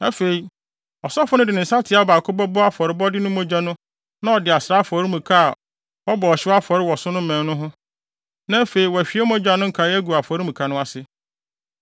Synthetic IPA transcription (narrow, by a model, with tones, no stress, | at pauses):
æ˦fe˨i˨ | ɔ˨sɔ˦fʊ˦nʊ̃˦dɪ˨nɪ̃˨n̩˨sa˦tʰɪ˨˦a˦ɔ˨ba˨kʰʊ˦bɔ˦bɔ˦a˦fɔ˨ɾɪ˨˦bɔ˦dɪ˦nʊ̃˦mõ˦d͡ʑᶣa˦nʊ̃˦ | nã˦ɔ˨dɪ˨a˨sɾa˦fɔ˨˦ɾi˦mũ˨kʰa˦˨ | wɔ˦bɔ˨ɔ˨ɕɪ˦a˦fɔ˨ɾɪ˦wɔ˨sʊ̃˦nʊ̃˦mɛ̃˨nnʊ̃˦ɦʊ̃˦ | nã˦æ˦fe˨i˨wɔ˨æ˨ɕᶣi˨˦e˦mõ˦d͡ʑᶣa˨nʊ̃˦ŋ̩˨˦kʰa˨˦æ˦ɡu˨a˨fɔ˨ɾi˦mũ˨kʰa˨nʊ̃˦a˨sɪ˦